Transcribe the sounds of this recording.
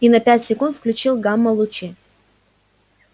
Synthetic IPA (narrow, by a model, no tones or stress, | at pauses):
inɐpʲætʲsʲɪkunt̪fklʲʉt͡ɕilˠɡamːəlˠʊt͡ɕi